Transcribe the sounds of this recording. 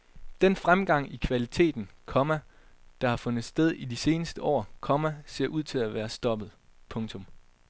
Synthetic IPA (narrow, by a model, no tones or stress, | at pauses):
d̥en̰fʁamɡ̥ɑ̈ŋ̰ikʰʋælit͡sʰe̝̰ːd̥n̩kʰɒ̽mæ | d̥ɑ̈hɑ̈fɔ̽nð̩ˠsd̥eð̞ˠid̥ise̝ːnəsd̥əʔɒ̰ːkʰɒ̽mæse̝ɐ̰ʔuð̞̰ˠt͡sʰe̝læʋæːɐsd̥ɒ̽b̥əð̩ˠpʰɔ̽ŋt͡sʰɔ̽m